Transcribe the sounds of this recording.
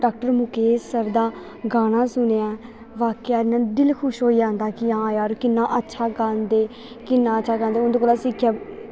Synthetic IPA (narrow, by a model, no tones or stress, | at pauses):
ɖaːk̚ʈəɾmʊkesəɾd̪aː | ɡaːnaːsʊneːaː | ʋaːkeːaːɾnaːd̪ɪlkʰʊʃɦoːid͡ʒãːnd̪aːkɪɦãːjaːɾkɪnːãːʔətːʃʰaːɡaːnd̪eː | kɪnːãːətːʃʰaːɡaːnd̪eːʊnd̪oːkoːlaːsɪkʰjaː